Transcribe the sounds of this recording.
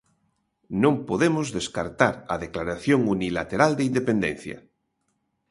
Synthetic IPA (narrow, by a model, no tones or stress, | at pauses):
nõmpoðemozðeskaɾt̪aɾaðeklaɾaθjoŋunilat̪eɾald̪eind̪epend̪ẽn̟θja̰